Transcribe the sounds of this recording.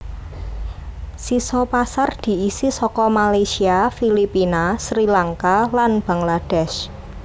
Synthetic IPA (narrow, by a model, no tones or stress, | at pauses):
sisɔpasard̪̥i̤isisɔkɔmalajsiafilipinasɾilaŋkalanb̥a̤ŋlad̥ɛʃ